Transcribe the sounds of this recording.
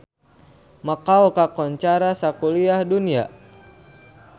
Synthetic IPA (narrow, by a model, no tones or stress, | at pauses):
makaukakɔɲt͡ʃaɾasakuliahdunia̰